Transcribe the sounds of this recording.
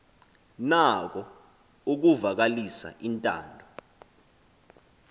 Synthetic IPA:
nak̬ɔ | uk̬uvak̬alisa̰ʔintʼa̰ːndʱɔ

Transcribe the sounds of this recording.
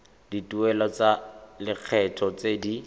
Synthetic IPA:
dituɛlɔt͡salɪq͡χʰɛtʰɔt͡sedi

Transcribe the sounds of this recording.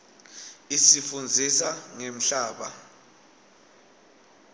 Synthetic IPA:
isifund͡zʱisaŋem̩ɬaːɓa

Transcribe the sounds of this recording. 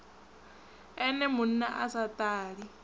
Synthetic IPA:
ɛnɛmʊn̩naʔasat̪ʼaːɺi

